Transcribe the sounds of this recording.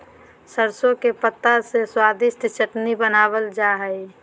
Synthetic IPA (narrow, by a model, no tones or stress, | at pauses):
səɾsõkepət̪ːaseswaːd̪ɪsʈt͡ʃəʈnibənaːwəld͡ʒaɦəi